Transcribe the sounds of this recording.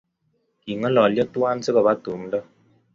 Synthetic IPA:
i˨ŋə˦lɔ˨ljɔ˦tu˦a˦n˦sɨ˦kɔ˨βa˦tu˨˦m˦dɔ˦

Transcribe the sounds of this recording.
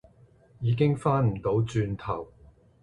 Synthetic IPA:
jiː˨˧k̬ɪ˥ŋfaː˥nm̩˨˩t̪o˨˥wt͡ʃyː˧nt̪ʰɐ˨˩w

